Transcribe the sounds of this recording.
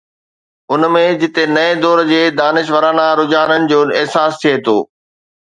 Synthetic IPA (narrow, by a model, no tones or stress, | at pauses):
ʊnmẽd͡ʑɪt̪enɐed̪ɔːɾd͡ʑeːd̪aːnɪʃ̬ʋəɾaːnaɾʊd͡ʑaːnənɪ̆d͡ʑoːɪɦsaːst̪ʰiet̪ʰo̰ː